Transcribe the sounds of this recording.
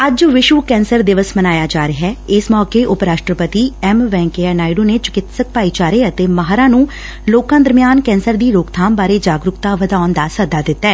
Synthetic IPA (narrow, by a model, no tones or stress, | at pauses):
əd͡ʒʋɪʃuːkɛ̃ːnsəɾd̪ɪʋəsmənaːjaːd͡ʒaːɾɪɦɛːɪsmɔːkeːʔʊpɾaːʂʈɾəpət̪iːɛmʋɛ̃ːŋkeːɛːnaːiɖoːneːt͡ʃʊ̥kɪt̪sək̚paːiːt͡ʃaːɾeːət̪eːmaɦɾãːnũː | loːkãːd̪əɾmijaːnkɛ̃ːnsəɾd̪iːɾoːkt̪ʰaːmbaːɾeːd͡ʒaːɡɾʊkt̪aːʋəd̪aːʊnd̪aːsəd̪aːd̪ɪt̪ːɛː